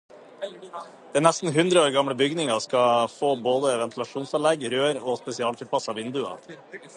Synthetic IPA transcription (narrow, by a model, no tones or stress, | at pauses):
d̪̥ɛnɛst̪n̩ɦʉnd̪ɾəoːɾɡɑmɽəbʏɡnɪŋɑskɑfoːboːd̪əʋɛnt̪lɑʂuːnsɑnlɛɡɾøːɾɔspɛsɪɑːlʰɪlpʰɑsɑʋɪnd̪ʉɑ̰